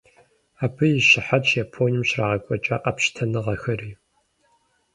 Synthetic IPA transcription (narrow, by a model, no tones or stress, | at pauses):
aːbʰɨjɪɕɪħat͡ʃjaːpʰoːnɨmɕraːʁɐkʷʼɔt͡ʃʼɐːʔɐpʃtʰɐnɨʁɐxɐriː